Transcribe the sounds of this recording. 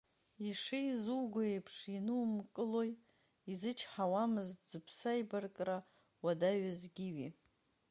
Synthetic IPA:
iʂejzuɡʷʊejpʰʂinɨumkʼɨlo̞j | izɨt͡ʃʰħawamɨztʰz̥ɨpʰsajbarkʼra | wadaɥazɡʲiɥi

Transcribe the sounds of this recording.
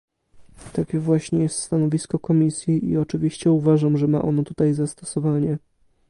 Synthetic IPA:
t̪akʲɛvwaɕɲɛjɛst̪st̪anɔvʲiskɔkɔmʲisʲjiḭɔt͡ʂɘvʲiɕt͡ɕɛuvaʐamʐɛma̰ʔɔnɔt̪ut̪ajzast̪ɔ̥sɔvaɲɛ

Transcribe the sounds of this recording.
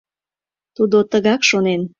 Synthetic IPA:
t̪ud̪ot̪əɣɑkʃonen

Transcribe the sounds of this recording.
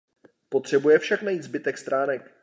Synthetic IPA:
pot̪r̝̥ɛbujɛfʃaknajiːt̪zbɪt̪ɛkst̪ɾaːnɛk

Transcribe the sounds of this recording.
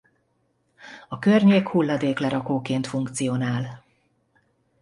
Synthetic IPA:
ɒkørɲeːkhulːɒd̪eːklɛɾɒkoːkeːnt̪fuŋkt̪sijoːnaːl

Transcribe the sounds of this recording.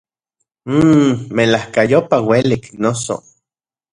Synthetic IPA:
melahkajopaweliknoso̰

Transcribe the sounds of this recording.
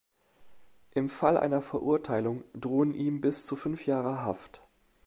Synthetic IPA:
ʔɪmfalʔa̰ɪnɐfɛɐʔʊɐtʰaɪlʊŋdʁoːənʔiːmbɪst͡sufʏnfjaːʁəɦaft

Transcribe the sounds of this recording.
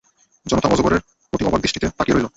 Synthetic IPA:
d͡ʑɔnot̪abɔd͡ʑoboɾeɾ | koʈiɔbaɡd̪iʃʈit̪epakiɾoɦilo

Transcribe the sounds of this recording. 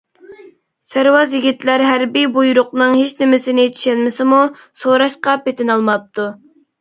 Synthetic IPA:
sæɾwɑzjiɡʲit̪læɾɦæɾbibujuɾʊqnɨŋɦet͡ʃnɪmɪsɪnɪt͡ʃ̪ʰy̥ʃɛlmɪsɪmu | soɾɑʃqɑpet̪ɪnɑlˠmɑp̚t̪u

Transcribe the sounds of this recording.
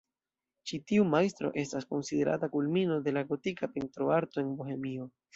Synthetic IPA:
t͡ʃitiumajstɾo̞̰ʔe̞stasko̞nside̞ɾʔa̰takulmino̞de̞laɡo̞tikape̞ntɾo̞aɾto̞e̞nbohe̞mio̞

